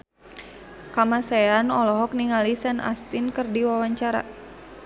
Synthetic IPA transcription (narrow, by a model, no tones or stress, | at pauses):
kamasɛanɔlɔɦɔk̚niŋalisɛna̰st̪inkərdiwawaɲt͡ʃaɾa̰